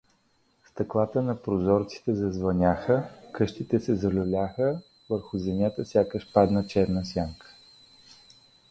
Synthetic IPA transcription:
st̪ɐklˠat̪ənɐpɾozɔɾt̪si̥t̪ɛzɐzvɐnʲaxəkɤʃt̪it̪ɛsɛzɐlʲʊlʲaxə | vəɾxʊzɛnʲat̪əfsʲjakəʃpad̪nət͡ʃɛɾnəsʲjaŋkə̥

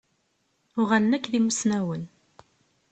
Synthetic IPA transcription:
ʊʁalənækːðimusnæwən

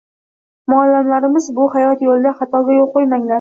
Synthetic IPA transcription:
mʊalːamlaɾɪmɪzbʊhajɒt̪jolˠɪd̪aχɑt̪ʰɒɡʲajolˠqojmaŋlaɾ

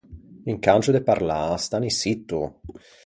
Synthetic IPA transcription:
iŋkant͡ʃud̪epaɾlast̪anisit̪ːu

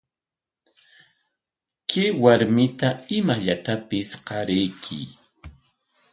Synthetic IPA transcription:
kɪwaɾmɪt̪aɪmaʎat̪apɪsqɑɾɪjkʰɪ̰

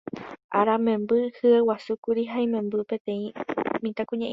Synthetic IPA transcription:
ʔaɾamẽ̞mbɨhɨewasukuɾiɦajmẽ̞mbɨpẽ̞t̪ẽ̞ĩmĩt̪akũɲãʔ

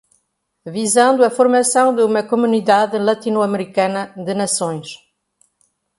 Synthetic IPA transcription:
vizɐ̃nd̪ʊɐfoɾmɐsɐ̃w̃d̪ɪumɐkomuniðaðɨlat̪inuɐmeɾikanɐd̪ɨnɐsõj̃ʃ

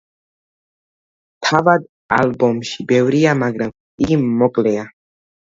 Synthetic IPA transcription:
t̪ʰavad̪ | albɔmʃibɛvɾiamaɡɾam | imːɔkʼlɛa

